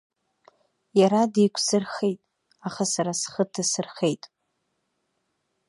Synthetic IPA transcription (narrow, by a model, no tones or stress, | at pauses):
jaɾadikʷʰsɨrχejtʼ | aχasaɾasχətʰasɨrχe̞jtʼ